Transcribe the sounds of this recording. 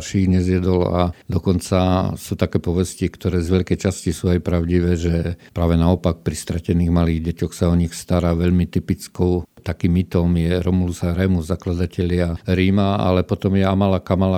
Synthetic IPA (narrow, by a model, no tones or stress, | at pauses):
ɾʃiːɲɛzjɛd̪ɔla̰d̪ɔkɔnt͡sasuːt̪akɛːpɔʋɛscikt̪ɔɾɛːzʋɛʎkɛjt͡ʃascisuːajpɾaʊɟiʋɛːʒɛpɾaːʋɛnaɔpak̚pɾist̪ɾacɛniːɣmaliːɣɟɛcɔxsaɔɲixst̪aɾaʋɛʎmit̪ipit͡skɔʊt̪akiːmit̪ɔmjɛɾɔmulusaɾɛmuzaklad̪acɛʎɪaɾiːmaa̰lɛpɔt̪ɔmjɛamalakamala